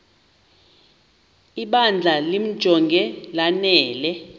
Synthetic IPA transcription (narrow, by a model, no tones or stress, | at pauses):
iɓand͡ɮʱalim̩̥ʒ̥ʱɔŋɡʱɛlanɛːlɛ